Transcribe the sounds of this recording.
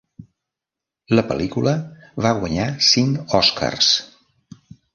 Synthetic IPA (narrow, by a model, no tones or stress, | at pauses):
ləpəlikuləβaɣwəɲasiŋkɔska̰rs